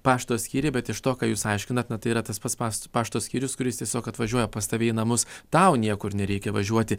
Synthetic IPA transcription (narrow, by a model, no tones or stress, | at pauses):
pɑːʃt̪oːsʲkʲiːɾʲeːbʲɛt̪ɪʃt̪oːkɑːjuːsɐɪʃʲkʲɪnɐt̪nɐt̪ɐɪiːɾɐt̪ɐspɐt̪spɑːspɑːʃt̪oːsʲkʲiːɾʲʊskʊɾʲɪst̪ʲiɛsʲoːkɐt̪ʋɐʒʲuɔjɛpɐst̪ɐʋʲeːɪnɐmʊst̪ɐʊnʲiɛkʊɪɾnʲɛɾʲɛɪkʲɛʋɐʒʲuɔt̪ʲɪ